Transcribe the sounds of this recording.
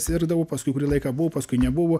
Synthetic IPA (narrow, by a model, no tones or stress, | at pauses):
sʲɪɾɡd̪ɐʋʊpɐskʊɪkʊɾʲiːlˠɐɪkɑːbʊʋʊpɐskʊɪnʲɛbʊʋʊ